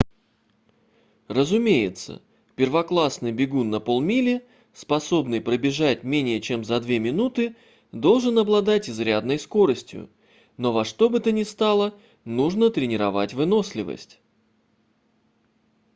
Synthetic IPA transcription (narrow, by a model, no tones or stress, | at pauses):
rəzʊmʲejɪt̪sə̰ | pʲɪrvɐklˠasnɨjbʲɪɡunːɐpo̞lˠmʲilʲɪ | spɐso̞bnɨjpɾəbʲɪʐatʲmʲenʲɪjət͡ɕe̞mzɐd̪vʲe̞mʲɪnut̪ɨ | d̪o̞lˠʐɨnɐblˠɐd̪atʲɪzɾʲad̪nəjsko̞ɾəsʲtʲjʊ̰ | no̞vɐʂt̪o̞bɨt̪ənʲɪst̪alˠə | nuʐnət̪ɾʲɪnʲɪɾɐvatʲvɨno̞sʲlʲɪvə̰sʲtʲ